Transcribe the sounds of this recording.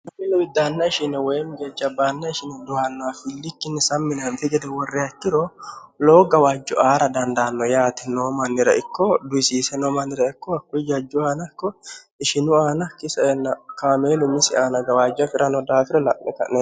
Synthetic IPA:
nɐmɪlɔwɪd̪ːaːnːɐɪʃɪnɛwejmɡɛd͡ʒɐbːaːnːɐɪʃɪnɛd̪ʊwaːnːɔafɪlːɪkːɪnːɛsɐmːɪnɐnt̪ɪɡɛd̪ɛwɔrːɪɐkːɪɾɔ | loːɡɐwaːd͡ʒːɔʔaːɾɐd̪ɐnd̪aːnːɔjaːt̪ɪnoːmɐnːɪɾɐʔɪkːɔd̪ʊɪsiːsɛnoːmɐnːɪɾɐɪkːɔɐkːʊjd͡ʒɐd͡ʒːʊaːnɐkːɔ | ɪʃɪnʊaːnɐkːɪsɐnːɐkaːmeːlʊmɪsɪaːnɐɡɐwaːd͡ʒːɐfɪɾʔɐnɔd̪aːt̪ɪɾɔlɐʔːɛ̰kɐ̰ʔneː

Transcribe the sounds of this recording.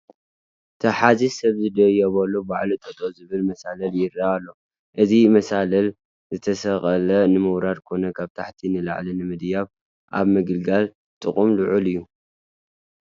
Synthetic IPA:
t̪ʰɐħazisɐβzɨd̪ɐjɐβɐlːobaʕlɨt̪ʼɐt̪ʰʼozɨβɨlmɐsalɐljɪɾːaːlːo̞ | ʔɨzimɐsalɐl | zɨt̪ʰɐsɐχʼɐlɐnɨmɨwɾad̪kʰo̞nɐkʰaβt̪ʰaħt̪ʰinɨla̰ʕlinɨmɨd̪jaβ | ʔa̰βmɨɡɨlɡal | t̪ʼɨχʼumluʕulɨjːu

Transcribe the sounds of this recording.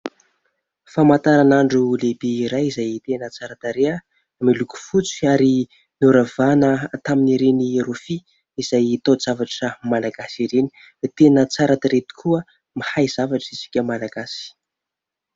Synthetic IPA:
famat̪aɾanaɳɖ͡ʐulebeːɾajizajit̪enət͡saɾat̪aɾeə | amiluku̥fut͡si̥aɾi | nuɾavanət̪aminiɾenirofi | iz̥ajit̪oz̥avaʈ͡ʂəmalaɡasiɾeni̥ | t̪enət͡saɾat̪aɾet̪i̥kʰuə | mihajz̥avaʈ͡ʂəisi̥kʲəmalaɡasi̥

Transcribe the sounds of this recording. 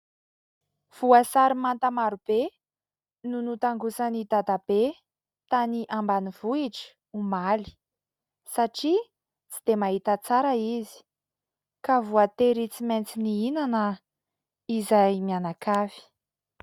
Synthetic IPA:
v̥uasaɾimant̪amaɾub̥e | nunut̪aŋɡusanid̪ad̪ab̥e | t̪aniʔambaniv̥uiʈ͡ʂi̥ | umali̥ | saʈ͡ʂi | t͡sid̪̥emaɦit̪at͡saɾaizi̥ | kavuat̪eɾit͡siment͡siniinanə | izajmianakavi̥

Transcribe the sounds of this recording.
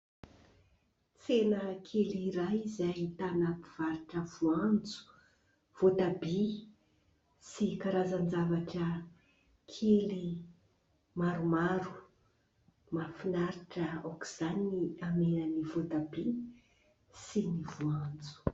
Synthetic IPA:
t͡senəkʰeliɾajizajt̪anapiv̥aɾiʈ͡ʂəvuand͡zu̥ | v̥ot̪abi | sikaɾazand͡zavaʈ͡ʂə | kʰeli | maɾumaɾu̥ | mafinaɾiʈ͡ʂəaki̥z̥aniniamenənivot̪abi | sinivuand͡zu̥

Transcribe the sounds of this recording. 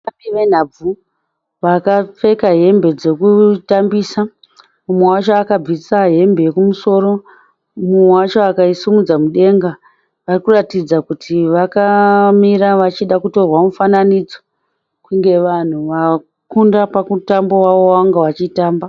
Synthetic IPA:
apiʋen̤au | ʋakap͡fe̞kaɦe̞mbe̞d͡ze̞kutambiːsa | mumwewat͡ʃoakab͡visaɦe̞mbe̞jekumuso̞ːɾo̞ | mumwat͡ʃoakaisumud͡zamuɗe̞ŋɡa | ʋarikuratid͡zakutʰiʋakamiɾaʋat͡ʃiɗakuto̞rwamufananid͡zo | kuŋɡe̞ʋan̤uʋa | kundapakutambo̞waʋoaŋɡeʋat͡ʃitaːmba

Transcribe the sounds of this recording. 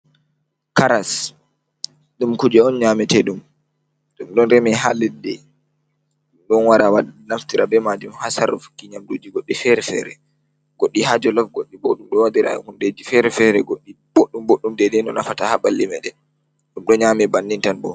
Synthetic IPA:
kaɾas | ɗumkud͡ʒɛɔnɲamɛtɛɗum | ɗumɗɔnɾɛmɛɦalɛdːɛ | ɗumɗɔnwaɾawanaftiɾabɛmad͡ʒumhasaɾɔfu̥kːiɲamdud͡ʒiɡoɗːifɛɾɛfɛ̰ɾɛ | ɡ̥oɗːiɦad͡ʒɔlɔfɡoɗːiboɗumɗɔwadiɾa̰j̰hunded͡ʒifɛɾɛfɛɾɛɡoɗːi | b̥oɗːumboɗːumdɛdɛnɔna̰fatahabalːimɛɗɛ | ɗumɗɔɲamɛbanːintanbɔ̰

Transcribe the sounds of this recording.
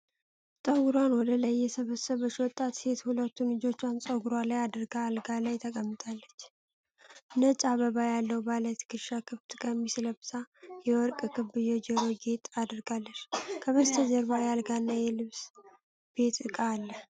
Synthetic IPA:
sʼəɡuɾwanwɔd̪ələjːɛsəβəsəβət͡ʃːwɔt̪ʼːat̪se̞t̪hulət̪ːunlɨd͡ʒo̞t͡ʃːansʼəɡuɾalajad̪ɨɾɡaːlɡalajt̪ʰəkʼəmːɨt̪ʼalːət͡ʃː | nət͡ʃʼaβəβajalːəwbalət̪ʰkʰɨʃakʰɨβt̪ʰʼɨkʼəmisɨləbɨt̪ʰʼajɛwɔɾkʼkʰɨβɨjɛd͡ʒɛɾoɡet̪ʼad̪ɨɾɡalːəʃkʰəβəst̪ʰəd͡ʒəɾbajalɡanːajɛlɨβs | b̥e̞t̪ʼɨkʼaːlːəh

